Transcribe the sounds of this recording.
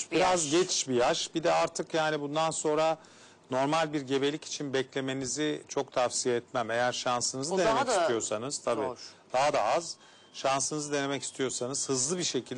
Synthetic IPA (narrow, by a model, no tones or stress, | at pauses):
biɾazɟet͡ʃʰi̥ʃbijaʃbid̪ɛaɾt̪ʰɯkjaːnibund̪anso̞nɾa | no̞ɾmalʲbiɾɟe̞be̞lʲici̥t͡ʃʰinbɛclʲe̞me̞nizɪt͡ʃʰo̞kt̪ʰafsijeːt̪mæme̞jæɾʃansɯnɯzɯd̪enemɛcist̪ijo̞sanɯz̥t̪ʰabḭːd̪̥aɦad̪aaz | ʃansɯnɯzɯd̪e̞ne̞mɛci̥st̪ʰijo̞sanɯz̥hɯzlˠɯbiʃe̞cʰilʲd̪